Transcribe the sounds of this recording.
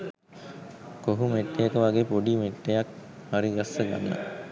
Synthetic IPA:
koɦumeʈːejəkəʋaɡeːpoɖimeʈːejakhaɾiɡasːəɡa̰nːə̰

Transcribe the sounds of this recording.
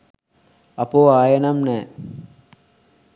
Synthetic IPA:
ɐpoːaːjɐnɐmne

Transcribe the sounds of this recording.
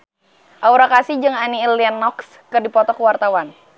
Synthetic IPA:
ʔauɾakasid͡ʒɨŋaniːlianːɔks | kɨrdipɔt̪ɔkuwart̪awan

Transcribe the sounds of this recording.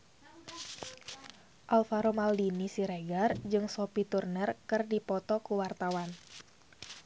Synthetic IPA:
ʔalfaɾomaldinisiɾeɡard͡ʒɨŋsopit̪urnərkɨrdipɔt̪ɔkuwart̪awan

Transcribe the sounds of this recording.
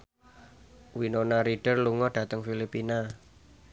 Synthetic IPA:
winonaɾiɖ̥ərluŋɔɖ̥ä̤t̪əŋfilipina

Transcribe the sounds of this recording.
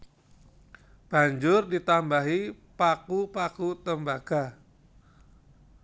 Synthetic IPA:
b̥a̤ɲd͡ʒʊrdit̪ambaɦi | pakupakut̪əmbaɡ̥a

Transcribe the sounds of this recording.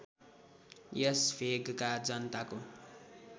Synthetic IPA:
jʌspʰeɡkad͡zʌnt̪ako

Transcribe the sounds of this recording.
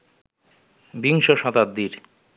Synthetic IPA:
biŋʃoʃɔt̪ad̪ːiɾ

